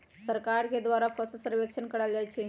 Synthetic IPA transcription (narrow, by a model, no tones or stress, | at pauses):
səɾkaɾked̪ʋaɾafəsəsəɾʋekʃənkəɽald͡ʒajt͡ɕʰe